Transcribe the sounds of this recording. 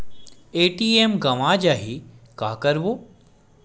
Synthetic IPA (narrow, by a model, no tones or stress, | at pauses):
eːʈiːemɡɐʋãːd͡ʒaːɦikaːkɐɾʋoː